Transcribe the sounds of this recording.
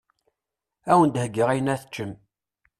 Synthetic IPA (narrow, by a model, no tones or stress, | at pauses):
æwənd̪həɡːəʁæjənæθət͡ʃːəm